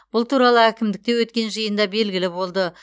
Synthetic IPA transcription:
b̥ʊlˠt̪ʰuɾɑlˠəækʲɪmd̪ɪk̚t̪e̞wɵt̪̚kʲe̞nʒijənd̪ɑbe̞lɡʲɪlɪbo̞lˠd̪ə

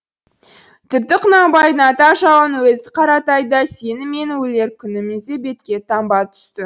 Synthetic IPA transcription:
t̪ʰʏp̚t̪ɪqʰʊnɑbɑjd̪ənɑt̪ɑʒɑwənwɵzɪqʰɑɾɑt̪ɑjd̪əse̞nɪme̞nɪwɵle̞ɾkʲʰʏnɪmense̞be̞t̪kʲe̞t̪ʰɑmbɑt̪ʰʏ̥st̪ɪ

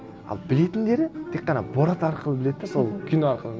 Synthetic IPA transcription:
ɑ̰lˠbɪle̞t̪ɪnd̪e̞ɾɪt̪ʰe̞qːɑnɑbo̞ɾɑt̪ɑɾqəlˠəbɪle̞d̪ɪeso̞lˠkʲʰʏnɑɾqəlˠə

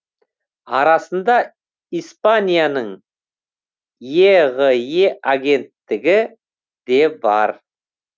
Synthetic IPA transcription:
ɑɾɑsənd̪ɑ | ijspanʲijanəɴ | jeʁejeʔaɡʲe̞nt̪ːɪɡʲɪ | d̪e̞bɑ̰ɾ

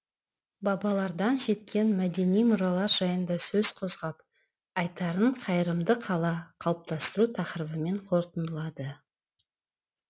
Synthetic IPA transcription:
bɑbɑlˠɑɾd̪ɑnʒe̞t̪kʲʰe̞nmæd̪e̞nijmʊɾɑlˠɑɾʒɑjənd̪ɑsɵz̥qʰozʁɑp | ɑjt̪ɑɾəɴqʰɑjəɾəmd̪əqʰɑlˠɑqʰɑlˠəp̚t̪ɑst̪əɾut̪ʰɑqɾəbəme̞ɴqʰo̞ɾt̪ənd̪əlˠɑd̪ə

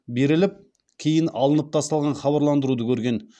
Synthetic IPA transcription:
be̞ɾɪlɪp̚ | kʲʰejɪnɑlˠənəp̚t̪ʰɑst̪ɑlˠʁɑnχɑβɑɾlˠɑnd̪əɾud̪əkʲʰɵɾɡʲe̞n

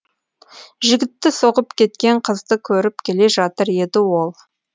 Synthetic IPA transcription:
ʒɪɡʲɪt̪ːɪsoʁəpkʲʰe̞t̪kʲe̞ɴqʰəzd̪əkʲʰɵɾɪp̚kʲʰe̞le̞ʒɑt̪əɾje̞d̪ɪwo̞lˠ

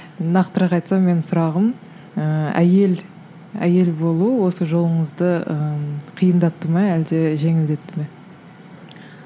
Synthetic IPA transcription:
nɑqt̪əɾɑqɑjt̪sɑme̞nɪsʊɾɑʁəm | əæ̰je̞l | æ̰je̞lbo̞lˠuəwo̞səʒo̞lˠəɴəzd̪əəqʰijənd̪ɑt̪ːəmɑæld̪e̞ʒe̞ŋɪld̪e̞t̪ːɪme̞

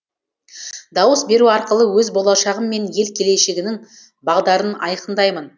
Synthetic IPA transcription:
d̪ɑwəsbe̞ɾuɑɾqəlˠəwɵzbo̞lˠɑʃɑʁəmːe̞nje̞lkʲʰe̞le̞ʃe̞ɡʲɪnɪŋ | bɑʁd̪ɑɾənɑ̰jqənd̪ɑjmən

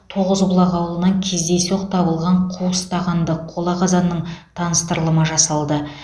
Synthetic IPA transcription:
t̪ʰo̞ʁəzbʊlˠɑʁɑwlˠənɑŋkʲʰe̞zd̪e̞soqt̪ʰɑbəlˠʁɑɴqʰust̪ɑʁɑnd̪əqʰo̞lˠɑʁɑzɑnːəɴt̪ʰɑnəst̪əɾlˠəməʒɑsɑlˠd̪ə

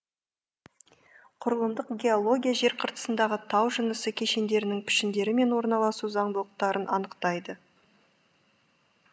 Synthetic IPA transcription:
qʰʊɾəlˠəmd̪əqɡʲe̞o̞lˠo̞ɡʲijaʒe̞ɾqʰəɾt̪ə̥sənd̪ɑʁət̪ʰɑwʒənəsəkʲʰe̞ʃe̞nd̪e̞ɾɪnɪŋpʰɪ̥ʃɪnd̪e̞ɾɪme̞nwo̞ɾnɑlˠɑsuzɑɴbəlˠəq̚t̪ɑɾənʔɑnəqt̪ɑjd̪ə

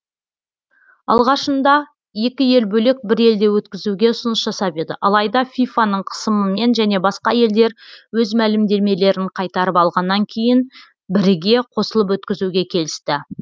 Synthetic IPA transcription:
ɑ̰lˠʁɑʃənd̪ɑ | je̞kʲɪje̞lbɵle̞k̚bɪɾe̞ld̪e̞wɵt̪kʲɪzuɡʲe̞ʊsʊnəsʒɑsɑpe̞d̪ɪ̰ʔɑlˠɑjd̪ɑfʲijfanəɴqʰə̥səməme̞nʒæne̞bɑsqɑje̞ld̪e̞ɾwɵzmælɪmd̪e̞ɾme̞le̞ɾɪɴqʰɑjt̪ɑɾəpɑlˠʁɑnːɑŋkʲʰe̞jɪn | bɪɾɪɡʲe̞qʰo̞səlˠəp̬wɵt̪kʲɪzuɡʲe̞kʲʰe̞lɪst̪ɪ

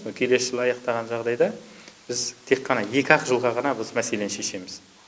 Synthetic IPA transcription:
kʲʰe̞le̞sʒɪlˠɑjɑqt̪ɑʁɑnʒɑʁd̪ɑjd̪ɑb̥ɪzt̪ʰe̞qʰːɑnɑje̞kʲɪɑqəʒəlˠʁɑʁɑnɑbɪzmæse̞le̞nʃe̞ʃe̞mɪz̥

